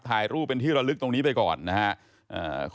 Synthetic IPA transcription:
t̪ʰaː˧jɾuː˥˩p̚ːe˧nt̪ʰiː˥˩ɾa˧lɯ˦˥k̚t̪o˧ŋniː˦˥pa˧jkɔ̰ː˨˩nːa˦˥kʰa˦˥ʔ | ʔə̰ː˨˩k

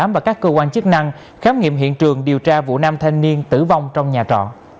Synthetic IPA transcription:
aː˨˦mvaː˨˩kaː˦˥kːəː˧kwaː˧nt͡ɕɨ˦˥k̚na˧ŋ | xaː˦wŋḭ˧˨əmɦḭ˧˨ənt͡ɕɨ˨˩əŋɗi˨˩əwt͡ɕaː˧vṵ˧˨naː˧mt̪ʰa˧jŋni˧ənt̪ɨ̰˧˩va˧wŋ͡mt͡ɕɔ˧wŋ͡mɲaː˨˩t͡ɕɔ̰˧˨n

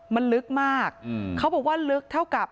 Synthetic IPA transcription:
ma˧nlɯ˦˥k̚maː˥˩k̚kʰːa˦˥wbɔː˨˩k̚waː˥˩lɯ˦˥k̚t̪ʰa˥˩wka˨˩p̚

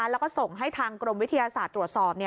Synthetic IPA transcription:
lɛː˦˥wkɔː˥˩so˨˩ŋɦa˥˩jt̪ʰaː˧ŋkɾo˧mwi˦˥t̪ʰa˧jaː˧saː˨˩t̪ːɾu˨˩ət̪̚sɔː˨˩p̚ni˥˩

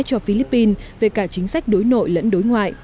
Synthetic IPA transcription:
t͡ɕɔ˧fi˧li˦˥pːi˧nve˨˩kaː˧˩t͡ɕï˨˦ŋ̟sa˦˥jk̟̚ɗo˨˦jno̰˧˨jlə̰˧˥nɗo˨˦jŋwa̰ː˧˨j

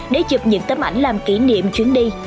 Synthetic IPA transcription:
ɗe˧˩˦t͡ɕɨ˨˩p̚ɲɨ̰˧˥ŋt̪ə˨˦mʔa˧˩jŋ̟laː˨˩mki˧˩˦nḭ˧˨əmt͡ɕwi˨˦əŋɗi˧

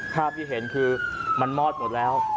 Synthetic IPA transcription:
pʰaː˥˩p̚t̪ʰiː˥˩ɦe˩˦nkʰɯː˧ma˧nmɔː˥˩t̪̚mo˨˩t̪̚lɛː˦˥w

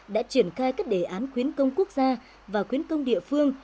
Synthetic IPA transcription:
ɗa̰ː˧˥t͡ɕi˧˩ənxaː˧jkaː˦˥k̚ɗe˧˩ʔaː˨˦nxwi˨˦ənkə˧wŋ͡mku˦˥ək̚zaː˧ | vaː˨˩xwi˨˦ənkə˧wŋ͡mɗḭ˧˨əfɨ˧əŋ

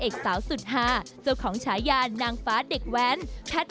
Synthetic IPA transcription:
ʔeː˨˩k̚saː˩˦wsu˨˩t̪̚ɦaː˧˩ | sɯ˧wkʰɔː˩˦ŋt͡ɕʰaː˩˦jjaː˧nːaː˧ŋfaː˦˥de˨˩k̚wɛː˨˦˥npʰɛ˦˥t̪̚

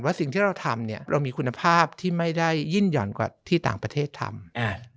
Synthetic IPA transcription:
nwaː˥˩si˨˩ŋt̪ʰiː˥˩ɾa˧wt̪ʰa˧mni˥˩ɐɾa̰˧wmiː˧kʰu˧nːa˧pʰaː˥˩p̚t̪ʰiː˥˩ma˥˩jda˥˩jːi˥˩njɔ̰ː˨˩˦nkwa̰ː˨˩t̪ʰiː˥˩t̪a̰ː˨˩ŋpɾa˧t̪ʰeː˥˩t̪ʰa̰˧ma˧˩

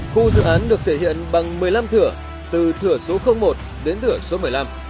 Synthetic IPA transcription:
xu˧zɨ̰˧˨ʔaː˨˦nɗɨ˨˩ək̚t̪ʰe˧˩hḭ˧˨ənɓa˨˩ŋmɨ˨˩əjla˧mt̪ʰɨ˧˩ə | t̪ɨ˨˩t̪ʰɨ˧˩əso˨˦xə˧wŋ͡mmo˨˩t̚ | ɗe˨˦nt̪ʰɨ˧˩əso˨˦mɨ˨˩əjla˧m

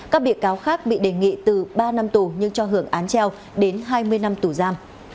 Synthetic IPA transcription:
kaː˦˥k̚ɓḭ˧˨əkaː˨˦wxaː˦˥k̚ɓḭ˧˨ɗe˨˩ŋḭ˧˨t̪ɨ˨˩ɓaː˧na˧mt̪u˨˩ɲɨ˧ŋt͡ɕɔ˧ɦɨ˧˩əŋʔaː˨˦nt͡ɕɛ˧w | ɗe˨˦nɦaː˧jmɨ˧əjna˧mt̪u˧˩zaː˧m

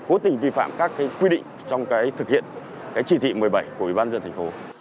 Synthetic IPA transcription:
ko˨˦t̪ï˨˩ŋ̟vi˧fa̰ː˧˨mkaː˦˥kːaː˨˦jkwi˧ɗḭ˧˨ŋ̟t͡ɕɔ˧wŋ͡mkaː˨˦jt̪ʰɨ˨˩k̚hḭ˧˨ən | kaː˨˦jt͡ɕi˧˩t̪ʰḭ˧˨mɨ˨˩əjɓa˧˩jkəwi˧˩ɓaː˧nzə˧nt̪ʰa˨˩ŋ̟fo˨˦

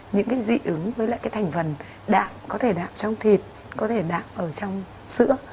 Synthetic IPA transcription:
ɲɨ̰˧˥ŋkaː˨˦jzḭ˧˩ʔɨ˨˦ŋvəː˨˦jlaː˧˨jkaː˨˦jt̪ʰjŋ̟fə˨˩n | ɗa̰ː˧˨mkɔ˨˦t̪ʰe˧˩ɗa̰ː˧˨m̚t͡ɕɔ˧wŋ͡mt̪ʰi˨˩t̚ | kɔ˨˦t̪ʰe˧˩ɗa̰ː˧˨mʔəː˧˩t͡ɕɔ˧wŋ͡m | sɨ̰˧˥ə

